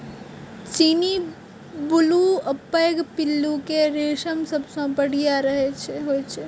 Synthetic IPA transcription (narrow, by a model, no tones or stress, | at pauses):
t͡ʃiːni | bʊluəpːəjɡpɪlːukeɾeːʃəmsəbsõpəɽ̤ijaɾəɦet͡ʃʰeɦoet͡ʃʰe